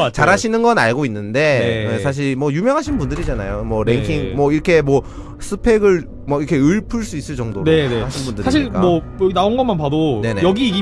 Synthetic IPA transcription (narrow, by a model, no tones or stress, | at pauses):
t͡ɕaɾaɕʰinɯnɡʌnaɭɡoinːɯnde̞eesʰaɕ̬ʰiɭmwʌjumjʌŋɦaɕʰinbundɯɾid͡ʑana̰jomwʌɾeŋkʰiŋmwʌiɾʌkʰe̞mwʌ | sʰɯpʰe̞ɡɯɭ | mʌiɾʌkʰe̞ɯɭpʰɯɭs͈uis͈ɯɭt͡ɕ͈ʌŋdoɾeneaɕʰinbundɯɾsaiɕʰiɭk͈amʌ | jnaonɡʌmanpadone̞ne̞jʌɡiiɡi